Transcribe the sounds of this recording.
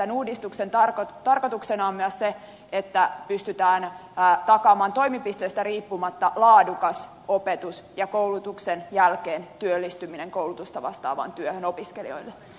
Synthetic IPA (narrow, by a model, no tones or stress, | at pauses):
ænuːdist̪uksent̪ɑrkot̪ɑrko̞t̪uksenɑːmːiɑsse | et̪ːæpyst̪yt̪æːnːt̪ɑkɑːmɑːnt̪o̞imipist̪eːst̪æriːpːumɑt̪ːɑlɑːdukɑs | opet̪usjɑkowlut̪uksenjælkeːnt̪yølːist̪ymineŋkowlut̪ust̪ɑʋɑ̰st̪ɑ̰ːʋɑ̰ːnt̪yøhøno̞piskelḭo̞̰ilːe